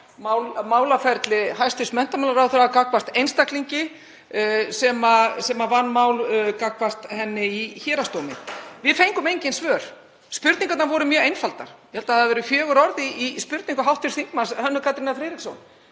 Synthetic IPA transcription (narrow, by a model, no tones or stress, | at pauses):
mawlmaːwlafɛɾt̪lɪhajst̪ʏsmɛn̥t̪amawlaɾawθʏɾaakakvast̪ejnst̪akliɲcɪ | sɛmasɛmavanːmawlkakvast̪hɛnːɪiçɛːɾast̪owmɪ̰vɪðfejŋkʏmejɲcɪnsvœːɾ̥ | spʏɾt̪niŋkat̪navɔɾʏmjœːejnfalt̪a̰ɾ̥jɛhɛlt̪aθaðvɛːɾʏfjœːɣʏɾɔɾðiːspʏɾt̪niŋkʏɦawht̪ːɪɾsθiŋkmashœnːʏkʰat̪ɾinafɾeːɾikso̰wn